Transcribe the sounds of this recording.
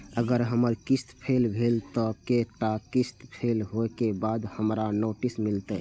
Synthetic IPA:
əɡəɾɦəməɾkist̪pʰelbʱelt̪ɔkeʈakist̪pʰelɦoekebad̪həmɾanoʈismilt̪ə

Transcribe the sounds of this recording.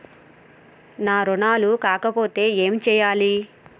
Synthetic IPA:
naːɾɔnaːlukaːkɐpo̞ːt̪e̞ːeːmt͡ʃɛːjaːli

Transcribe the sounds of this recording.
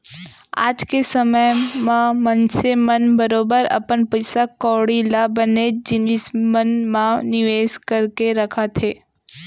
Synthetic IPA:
a̰ːd͡ʒkesəməjmãmənsemənbəɾoːbəɾɐ̰pənpəjsakɔːɽilabəned͡ʒɪnɪsmənmãnɪʋeːskɐɾkeɾɐkʰat̪ʰeː

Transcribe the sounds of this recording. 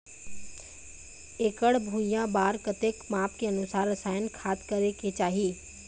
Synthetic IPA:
eːkəɽbʱuːjãbaːɾkɐt̪eːkmaːpkeɐnʊsaːɾːɐsaːjənkʰaːt̪kəɾeket͡ʃaːɦiiː

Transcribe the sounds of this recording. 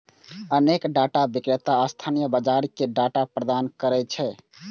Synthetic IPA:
ənekɖaʈabikɾet̪aəst̪ʰanijəbəd͡ʒaɾkeɖaʈapɾəd̪ankəɾɛt͡ʃʰɛ

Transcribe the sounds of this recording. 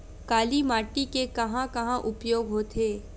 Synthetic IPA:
kaːlimaːʈikekɐɦãkɐɦãʔʊpjoːɡɦoːt̪ʰeː

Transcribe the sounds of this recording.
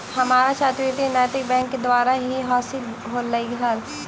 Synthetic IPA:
hɐmaːɾat͡ʃʰaːt̪ɾit̪inaːt̪ɪk̚bɛ̃ːŋkːed̪waːɾaɦiɦɔːsɪl | ɦoːlːaiɦaːl

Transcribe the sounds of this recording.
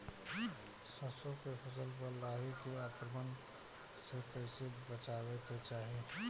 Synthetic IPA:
səsokepʰəsəlpəɾlaɦikeapɾəmən | sekəɪsebət͡ʃaβeket͡ʃaːɦi

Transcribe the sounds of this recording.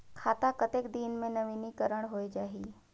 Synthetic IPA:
kʰaːt̪akɐt̪eːkd̪iːnmẽnɐʋiːnikəɾəɽ̃ɦoːed͡ʒaːɦiː

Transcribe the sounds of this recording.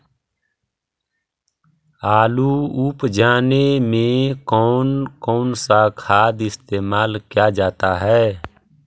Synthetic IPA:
aːluupd͡ʒaːnemẽkɔːnkɔːnsakʰaːd̪ɪst̪eːmaːlkjad͡ʒaːt̪aɦɛː

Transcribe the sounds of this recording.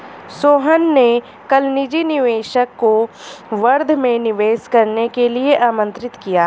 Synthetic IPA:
soːɦənːe | kɐlnɪd͡ʒinɪʋeːʃəkːoʋɐɾd̪ʱmẽnɪʋeːskɐɾnekelieʔaːmə̃nt̪ɾɪt̪kijaː

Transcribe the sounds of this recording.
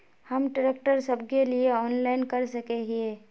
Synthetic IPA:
hɐmʈɾeːk̚ʈəɾsəbkelieɔːnlaːɪnkɐɾsɐkeɦieː

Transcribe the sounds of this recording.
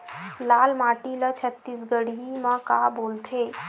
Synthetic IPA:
laːlmaːʈilət͡ʃʰət̪ːiːsɡəɽimãkaːboːlt̪ʰeː

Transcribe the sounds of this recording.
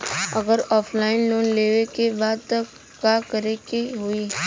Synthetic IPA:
ɐɡəɾɔːpʰlaːɪnloːnleːʋekebaːd̪̚t̪ɐk | kːakəɾekeɦuiː

